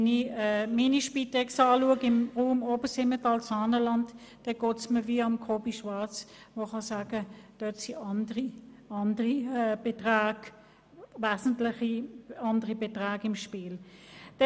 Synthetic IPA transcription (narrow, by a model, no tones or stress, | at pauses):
niminiʃpitɛksɑːluəɡɪmʁuːmoːbəsɪmətɑlsɑːnəlɑnd | d̥ɛɡ̥oːtsməʋiːʊmkʰoːbiʃʋɑʁt͡sʋoχɑsaːɡ̥əd̥œtsiɑndəʁiɑndəʁib̥etʁaːɡ̥ | ʋaːsn̩tlɪχiɑndəʁibetʁaːɡɪmʃpiːld̥ɛ